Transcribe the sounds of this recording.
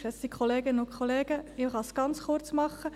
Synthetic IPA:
ɛssikχoleːɡɪnəʊkʰχoleːɡ̥əɪχɑsɡ̥ɑnt͡sχʊɾt͡smɑχːə

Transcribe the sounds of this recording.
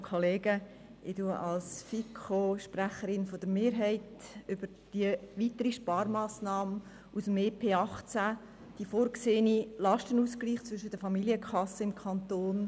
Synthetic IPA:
kʰoleːɡə | ʔɪtuəʔɑlsfikʰoʃpræχəɾɪnfod̥əɾmeːɾɦɛɪtʏb̥əɾ | d̥iəʋitəɾiʃpɑːɾmɑːsnɑːmə | ʔusəmeːpʰeːɑχt͡sæ | d̥ifoːɾkseːnilɑʃtənuːskliːχt͡sʋʏʃəd̥əfɑmiliəkʰχɑsːəɪmkʰχɑnt̪oːn

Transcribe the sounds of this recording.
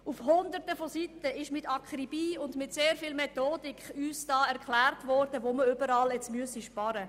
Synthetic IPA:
ufhʊnd̪əɾtəfositəɪʃmɪtɑkχɾibiːʊndmɪtseːɾfɪːlmɛt̪oːdikχyːsd̥ɑːɛʁkχlæːrtʋɔɾd̥əʋoməʏbəɾɑːlɛt͡smyəsiʃpɑɾə

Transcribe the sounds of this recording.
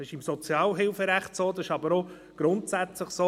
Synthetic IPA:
ɪʃɪmsɔt͡sjɑːlɦɪlfəɾæχtsoːd̪ɑsɪʃɑbəɾo | ɡ̥ɾʊntsæt͡sləχsoː

